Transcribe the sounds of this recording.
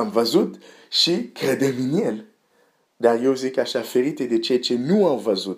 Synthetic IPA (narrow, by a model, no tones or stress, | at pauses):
amvazud̪ | ʃikad̪aminjɛlə | d̪aʁewzekaʃafeɾit̪ed̪et͡ʃet͡ʃenuãmvazud̪